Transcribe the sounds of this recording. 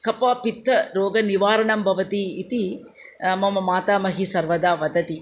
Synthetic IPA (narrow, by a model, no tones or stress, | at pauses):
kɐpaːpit̪ʰːɐɾoːɡɐniʋaːɾɐɳɐmbʱɐʋɐt̪iːt̪i | ɐmɐmɐmaːt̪aːmɐɦisɐɾʋɐd̪aːʋɐd̪ɐt̪i